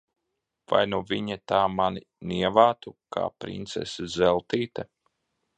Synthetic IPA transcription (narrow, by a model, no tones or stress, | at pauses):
va̰jnuviɲɛt̪aːmani | niɛvaːt̪uka̰ːpɾḭnt̪sɛ̰sizɛlˠt̪iːt̪ɛ